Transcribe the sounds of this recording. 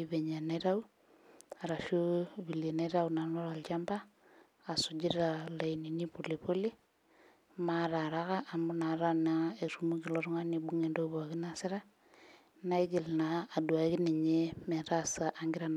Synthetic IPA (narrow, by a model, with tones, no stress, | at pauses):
iβe˨ɲa˨neɾa˦w | a˨ɾa˨ʃu˦βi˨le˨ne˦ɾa˦wna˨no˦ɾa˨lt͡ʃa˦mbaː˦˨ | su˨d͡ʒi˦ɾa˨la˨ini˨ni˦pu˨li˨po˦li˦ | ma˦ɾa˨ɾa˦ɣa˦ʔːmbu˦na˨ɾa˦nae˨ɾumu˦ki˨lo˨ɾŋa˦ni˨bu˦ŋe˨ndo˦ba˨ɡi˦na˨si˦ɾa˦ | na˦i˦d͡ʒi˨lnaː˨du˨a˨ki˦ni˨ɲe˦me˨ɾasa˨ʔa˦ŋɡi˦ɾan˨